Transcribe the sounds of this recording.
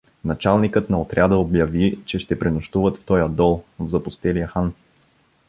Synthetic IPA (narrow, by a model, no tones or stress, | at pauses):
nɐt͡ʃalˠnikɤt̪nɐot̪ɾʲad̪əobjɐvit͡ʃɛʃt̪ɛpɾinʊʃt̪uvət̪ft̪ɔjɐd̪ɔlˠvzɐpʊst̪ɛlijəxan